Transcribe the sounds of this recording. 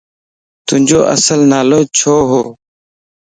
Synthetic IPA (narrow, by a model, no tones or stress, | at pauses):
t̪ʊɪ̃ɲd͡ʒoːʔə̰səlnaːloːt͡ʃʰoːɦoː